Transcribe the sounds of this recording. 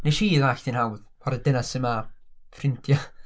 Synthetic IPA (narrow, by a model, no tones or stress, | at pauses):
neʃiːðaɬd̥ʰinhawðpʰɔɾədɪnasəmafʰrɪntʰja